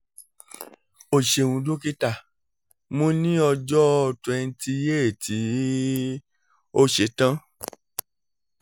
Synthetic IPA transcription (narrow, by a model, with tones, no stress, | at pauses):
o˨ʃe˨wũ˨˧dõ˦ki˦ta˦˨ | mõ˦nĩ˦ɔ˧d͡ʒɔ˦˧˨twɛ̃˧n̩˦ti˧je˦e˨tʰi˨˦ | o˦ʃe˨˦tã˦